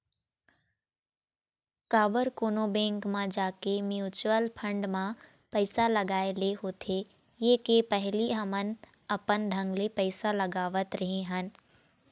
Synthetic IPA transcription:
kaːbəɾkoːnobɛ̃ːŋkmãd͡ʒaːkemjuːt͡ʃwəlpʰə̃ɳɖmã | pɛɪsalɐɡaːeleɦoːt̪ʰeː | jeːkepɛɦliɦəmən | ɐpənɖ̪ʱɐ̃ŋɡlepɛɪsalɐɡaːʋət̪ɾɐɦẽɦən

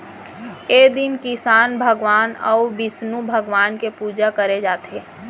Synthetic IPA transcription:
eːd̪ɪnkɪsaːnbʱəɡʋaːnɔ̰ʊbɪsnubʱəɡʋaːnkepuːd͡ʒakəɾed͡ʒaːt̪eː

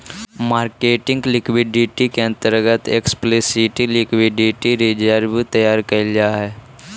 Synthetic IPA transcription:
maːɾkeːʈɪ̃ŋɡlɪkwɪɖɪʈikeə̃nt̪əɾɡət̪eksplisiʈilɪkwɪɖɪʈiɾɪd͡ʒəɾbit̪ɐjaːɾkɐɪlaɦɛː

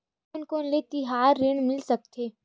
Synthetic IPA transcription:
ʊnkonlet̪iɦaːɾːeːɳmɪlsɐk̚t̪ʰeː

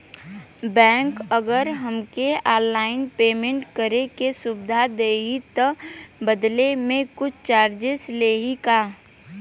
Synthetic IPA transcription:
bɛ̃ːŋkəɡəɾɦəmkeaːlːaːɪnpeːmẽɳʈkəɾekesʊbɪd̪ʱad̪eːɦit̪əbəd̪lemẽkʊt͡ʃʰt͡ʃaːɾd͡ʒesleːɦikaː

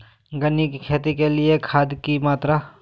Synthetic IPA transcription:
ɡənikʰeːt̪ikeliekʰaːd̪kimaːt̪ɾa

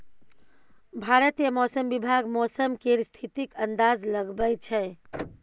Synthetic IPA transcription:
bʱaɾət̪jəmɔsəmbibʱaɡmɔsəmkeɾst̪ʰit̪ikənd̪azləɡbəjt͡ʃʰɛ

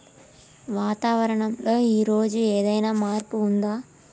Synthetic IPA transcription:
ʋaːt̪aːʋɐɾɐɳɐmlo̞ːiːɾo̞ːd͡ʒueːd̪ɐjnaːmaːɾpuːnd̪aː

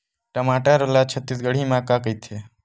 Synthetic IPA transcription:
ʈəmaːʈaɾəlat͡ʃʰət̪ːisɡəɽimãːkakəjt̪ʰe

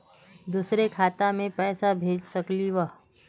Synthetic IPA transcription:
d̪uːsɾekʰaːt̪amẽpɛːsabʱeːd͡ʒsɐkliʋəɦ

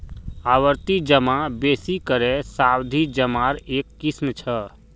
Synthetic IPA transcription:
aːwəɾt̪id͡ʒəmabeːsikəɾesaːwd̪ʱid͡ʒəmaɾeːkːismt͡ʃʰə

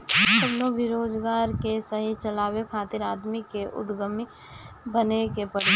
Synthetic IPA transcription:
səbnobʱiɾoːd͡ʒɡaːɾkesəɦit͡ʃəlaːwekʰaːt̪iɾaːd̪mikeʔʊ̰d̪ɡəmi | bənekepəɾ

